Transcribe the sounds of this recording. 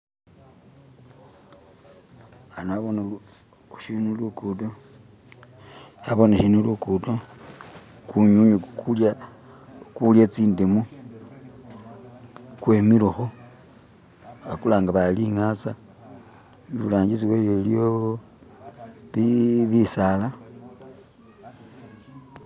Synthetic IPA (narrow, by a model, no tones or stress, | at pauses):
anaβona | ʃinulukudo | aβonaʃinulukudo | kuɲuɲukukulja | kuljet͡siːndemu | kwemiloxo | akulaːŋɡaβaliŋat͡sa | ulaːɲɟit͡siwejolijo | βiβisala